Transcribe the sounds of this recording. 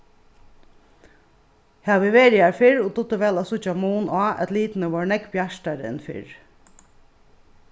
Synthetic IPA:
haʋɪʋeːɾjaɹfɪɹʊt̪ʊt̪əʋɛːlasʊt͡ʃamuːnaːʔɛ̰t̪liːt̪nəʋɔːɹɳɛkbjaʂʈaɾɪ̰nfɪ̰ɹ

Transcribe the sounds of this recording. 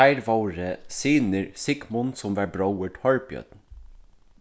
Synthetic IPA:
æɪɾʋɑːɾəsiːnəɾsɪɡmɔnsɔmʋæːbɾɑʊəʈhɑɹpjœ̰d̪n̩

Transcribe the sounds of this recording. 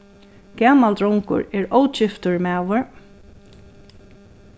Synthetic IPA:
ɡ̥aːmald̪ɾɹɔwŋkʊ̰ɹɛɹowt͡ʃɪft̪ʊɹmæːʋʊɹ

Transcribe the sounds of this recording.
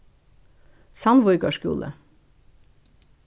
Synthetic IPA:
sɑnʋɔʏkɑʃkṵːlʔə̰

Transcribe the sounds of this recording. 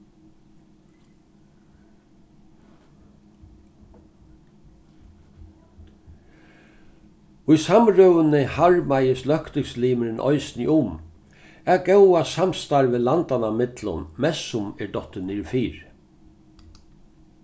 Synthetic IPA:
ʊjsamɾœwənɪhaɹmajɪslœhkt̪ɪŋsliːmɪɾɪnʔɔ̰jsnɪʔʊm | ɛɡɛwasamst̪aɹvɪːlant̪anamɪt̪lʊ̰nmɛsʊmɛɹd̪ɔt̪ɪniːɹfiːɹ

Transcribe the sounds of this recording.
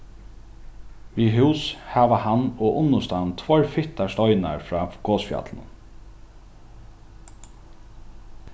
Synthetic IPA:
viɦuwshaːʋahanɔːʔʊnːʊst̪ant̪ʰvɔɹfɪht̪aʂt̪ɔʏna̰ɹfɾɑːɡ̥oːsfja̰t̪lnʊ̰n

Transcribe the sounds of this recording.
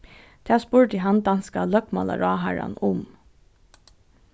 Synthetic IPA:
d̪̥æːspuːɹd̪iːɦɑnd̪ɑnskɑlœkmɑ̰lɑ̰ɹɑːɦæɹɑ̰nʊm

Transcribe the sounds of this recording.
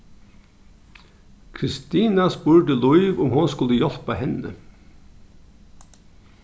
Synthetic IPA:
kʰɾɪst̪iːnɑspuːɹɖəlʊʏʋʊmhʊnskʊləjɔl̥pɑhɛnə

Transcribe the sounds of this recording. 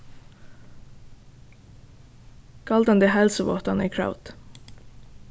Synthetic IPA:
kʰɑld̪ənd̪eːhɛlsəʋɔ̰t̪ɑniːkʰɹa̰ʊt̪

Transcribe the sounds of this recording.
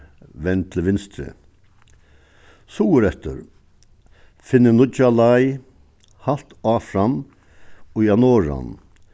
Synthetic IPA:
ʋɛnt̪ʰlʋɪnst̪ɾə̰ | suːəɾɛt̪əɾ | fɪnːənʊt͡ʃalaj | hal̥t̪ɑːfɾam | ɔjanɔːɾa̰n

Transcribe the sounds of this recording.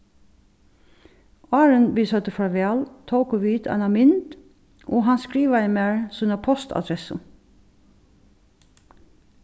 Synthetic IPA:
ɑːɹənbiːsœt̪əfɹɑːʋɛːlt̪ʰowkʊʋiːt̪æ̰nɑmɪnd̪ | ʔoːɦɑnskɹiːʋaɪmæːɹsyːnəpʰɔst̪ʰa̰d̪ɾɛsə

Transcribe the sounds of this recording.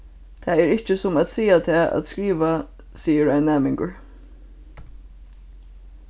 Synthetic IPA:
t̪ʰæːɛɹɪht͡ʃəsʊmat̪siːat̪ʰɛːʔa̰ːt̪skɹiːʋa | siːəɹaɪnːæːmɪŋkəɹ

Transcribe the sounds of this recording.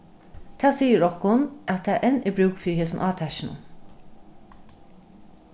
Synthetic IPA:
t̪ʰæːsiːəɾɔhkʊnʔæt̪ʰːæːʔɛnɛbɹʉwkfiɾheːsʊnʔɑːt̪ʰæʃɪnʊ̰n

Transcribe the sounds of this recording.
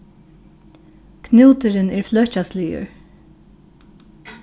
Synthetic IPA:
kʰnuːt̪ɪɾɪnɛɹflœhcasliːʏ̰ɹ

